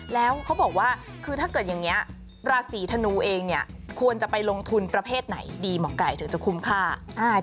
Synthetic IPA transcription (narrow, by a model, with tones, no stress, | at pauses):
lɛː˦˥wkʰa˦˥wbɔː˨˩k̚waː˥˩ | kʰɯː˧aː˥˩kɤː˨˩t̪̚ja˨˩ŋni˦˥ɐ | ɾaː˧siː˩˦t̪ʰa˧nuː˧˩ʔeː˧ŋni˥˩ɐkʰu˧ənt͡ɕa˨˩pa˧jlo˧ŋt̪ʰu˧npɾa˧pʰeː˥˩t̪̚na̰˩˦jdiː˧mɔː˩˦ŋka˨˩jt̪ʰɯ˩˦ŋt͡ɕa˨˩kʰu˧˦˥mkʰaː˥˩ʔaː˧˩